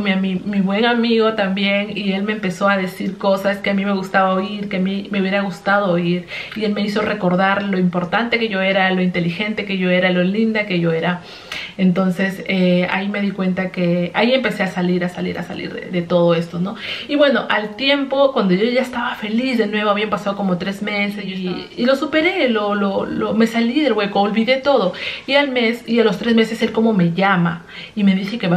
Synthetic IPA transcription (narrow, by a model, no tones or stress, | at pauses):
mamimiβwe̞ŋamiɣo̞t̪ambje̞nie̞lme̞ːmpe̞so̞aðe̞siɾko̞saske̞amime̞ɣust̪aβaoiɾke̞amime̞uβjeɾaɣust̪að̞oːiɾie̞lme̞iso̞re̞ko̞ɾðaɾlo̞impo̞ɾt̪ant̪e̞ke̞ʝo̞e̞ɾalo̞int̪e̞lixe̞nt̪e̞ke̞ʝo̞e̞ɾalo̞lind̪ake̞ʝo̞e̞ɾa | ent̪o̞nse̞sea̰ime̞ðikwe̞nt̪ake̞aie̞mpe̞se̞asaliɾasalḭɾa̰sa̰lḭɾðḛðe̞t̪o̞ð̞o̞e̞st̪o̞no̞iβwe̞no̞ʔalt̪je̞mpo̞kwand̪o̞ʝoʝaest̪aβafe̞lizðe̞nwe̞βoaβiampasað̞o̞ko̞mo̞t̪ɾe̞zme̞sesːlo̞supe̞ɾe̞lololome̞saliðe̞lɣwe̞koːlβiðe̞t̪o̞ðo̞ialme̞sialo̞st̪ɾe̞zme̞se̞se̞lko̞mo̞me̞ʝama | ime̞ðixe̞ke̞βa